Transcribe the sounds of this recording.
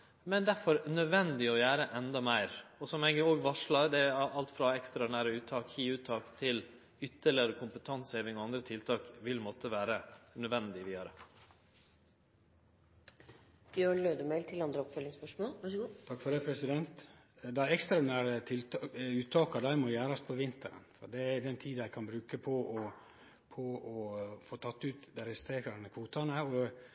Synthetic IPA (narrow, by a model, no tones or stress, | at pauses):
mɛnd̪æɾfɔɾnœd̪ʋɛnd̪ɪɔjæːɾəʔɛnd̪ɑmæɪɾɔsɔmɛɡoːɡʋɑʂɭɑɾd̪ɛɑlt̪fɾɑɛkst̪ɾɑnæːɾəʉːt̪ʰɑːkhiːʉːt̪ʰɑːkt̪ʰɪl | ʏt̪ːəɭəɾəkʰʊmpət̪ʰɑnsheːʋɪŋɔɑnd̪ɾət̪ʰɪlt̪ʰɑːkʋɪlmɔt̪ʰːəʋæːɾənœd̪ʋɛnd̪ɪʋɪjøːɾə | b̥jøːɳløːd̪əmɛlt̪ʰɪlɑnd̪ɾəɔpfœlɪŋspœʂmoːlːt̪ʰɑkːfɔɾd̪ɛpʰɾɛsɪd̪ɛnt̪ | d̪ɛæɾɛkst̪ɾɑd̪ɪnæːɾət̪ʰɪlt̪ɑʉːt̪t̪ːɑːkɑɾd̪æɪmɔjæːɾɑspʰɔʋɪnt̪ʰəɾə̰nfɔɖ̪ɛæɪd̪ɛnt̪ʰiːd̪æɪkʰɑnbɾʉːkəpʰɔʔɔ | pʰɔɔfoːt̪ʰɑt̪ːʉːt̪d̪æɪɾɪst̪ɾeːkəɾɛnːəkʰʋuːt̪ɑnəɔ